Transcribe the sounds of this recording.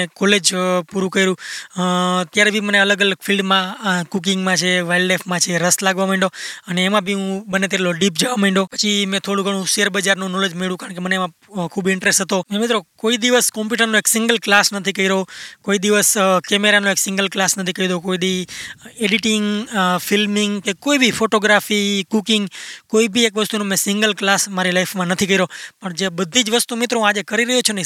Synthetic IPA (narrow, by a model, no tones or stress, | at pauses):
ekɔled͡ʒpuɾũkəiɾũ | t̪jaɾebʱiməneələɡələɡfʰilɖmãkuk̬ĩŋɡmãt͡ʃʰeʋailɖlafʰmãt͡ʃʰeɾəslaɡʋamaiɳɖoəneːmãbʱiũbənet̪eʈloɖip̚d͡ʒəʋamaĩɳɖopə̥t͡ʃʰimẽt̪ʰoɽ̃ũɡəɽũsəɾbəd͡ʒaɾnũnɔled͡ʒmeɭũkaɾəɳkemənemã | kʰubɪ̃ɳʈɾesʈɦət̪omẽmit̪ɾokoid̪iʋəskɔmpuʈəɾnõeksɪ̃ŋɡəlklasnət̪ʰikəiɾokoid̪iʋəskɛmeɾanõeksɪ̃ŋɡəlklasnət̪ʰikəid̪okoid̪ieɖiʈɪŋɡfilmɪŋɡkekoibʱifoʈoɡɾafikukɪŋɡkoibʱiekʋəst̪unõmɛ̃sɪŋɡəlklasmaɾilaifʰmãnət̪ʰikəiɾopəɳd͡ʒebəd̪ʱid͡ʒʋəst̪umɪt̪ɾõad͡ʒekəɾiɾəɦjot͡ʃʰene